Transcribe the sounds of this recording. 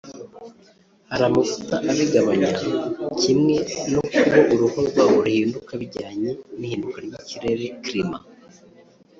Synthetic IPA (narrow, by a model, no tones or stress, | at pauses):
haɾamufu̥taʔaβiɡaβaɲacimŋe̞nokɡoʔuɾuhoɾɡwauɾuhiːndukaβiɾɟaːɲenihiːndukaɾɟiciɾe̞ɾe̞kɾima